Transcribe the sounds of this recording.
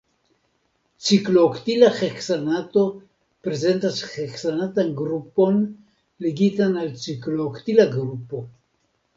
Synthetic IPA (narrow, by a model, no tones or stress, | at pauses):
t͡sikloːkt̪ilaχeksanat̪o̞ | pɾezent̪asχeksanat̪anɡɾupo̞n | leɡit̪analt͡sikloːkt̪ilaɡɾupo